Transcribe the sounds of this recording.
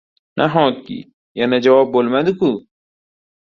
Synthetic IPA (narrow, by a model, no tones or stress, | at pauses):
nʔa̰ɦɔ̃ːt̪̚kḭ | janɐd͡ʒɐwɔːbːolmɐd̪uku